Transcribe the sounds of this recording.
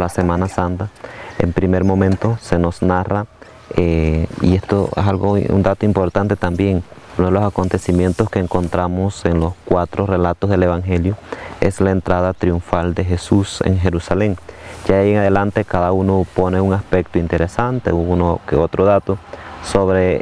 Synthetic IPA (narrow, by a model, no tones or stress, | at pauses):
lase̞mãnasant̪aḛmpɾime̞ɾmo̞mẽ̞nt̪o̞se̞no̞snara | eḭest̪oḛsalɣoṵnd̪at̪oimpo̞ɾt̪ant̪e̞t̪ambje̞ŋunoðelosako̞nt̪e̞simje̞nt̪oskeːŋko̞nt̪ɾamose̞nlo̞skwat̪ɾore̞lat̪ozðe̞le̞βaŋxe̞ljoe̞̰slaent̪ɾaðat̪ɾiuɱfald̪e̞xe̞susḛŋxe̞ɾusale̞ŋd͡ʒaieŋaðelant̪e̞kaðaunopone̞uŋaspe̞k̚t̪oint̪e̞ɾesant̪ḛuunokḛot̪ɾoðat̪osoβɾe